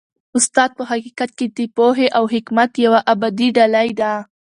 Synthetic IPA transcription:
ʊst̪ɑd̪̚pəɦaqikat̪̚ked̪epoɦeʔawɦɪkmat̪jawaʔabad̪iɖalajd̪a

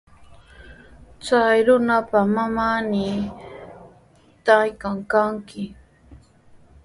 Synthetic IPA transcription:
t͡sajɾʊnapamamanɪ | t̪ajkaŋkaŋkɪ

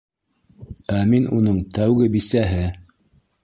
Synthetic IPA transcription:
æminunɤɴt̪ʰæwɡɘbisæɦɘ

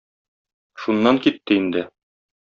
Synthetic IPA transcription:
ʃunːɑŋkit̪ːɘind̪ɘ

